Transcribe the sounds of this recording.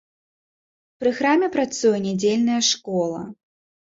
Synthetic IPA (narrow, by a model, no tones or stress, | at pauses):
pɾɨxɾamʲɛpɾat̪sujɛnʲad͡zʲelʲnɐjɐʂkɔlˠɐ̰